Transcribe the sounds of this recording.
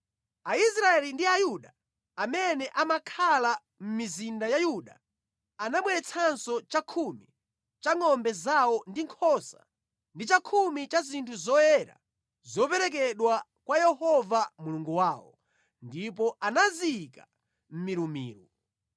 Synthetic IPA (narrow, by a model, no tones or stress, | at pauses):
aisɾaɛlindiajuɗa | amɛnɛʔamakʰala | m̩mizindajajuɗa̰ | anaɓwɛɾɛt͡sʰansɔt͡ʃakʰumi | t͡ʃaŋɔmbɛzawɔndiŋkʰɔsa̰ | ndit͡ʃakʰumit͡ʃazintʰuzɔjɛɾa̰ | zɔpɛɾɛk̬ɛɗwa | kwajɛhɔvamuluŋɡuwaːwɔ̰ | ndip̬ɔʔanaziːka | m̩miɾumḭːɾu